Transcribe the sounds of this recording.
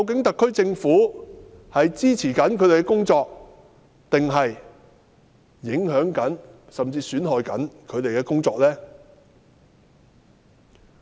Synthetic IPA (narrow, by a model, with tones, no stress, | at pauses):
kɐ˨˧wk̬ɪ˨˥ŋt̪ɐ˨kʰːɵ˥ɥt͡sɪ˧ŋfuː˨˥ | hɐ˨jt͡siː˥t͡sʰiː˨˩kɐ˨˥nkʰɵ˨˧ɥt̪e˨jkɛ˥kʊ˥ŋt͡sɔː˧k̚ | t̪ɪ˨ŋɦɐ˨j | ɪ˨˥ŋɦœː˨˥ŋkɐ˨˥nsɐ˨mt͡siː˧syː˨˥nɦɔː˨˧jkɐ̰˨˥nkʰɵ˨˧ɥt̪e˨jkɛː˧kʊ˥ŋt͡sɔː˧k̚lɛː˥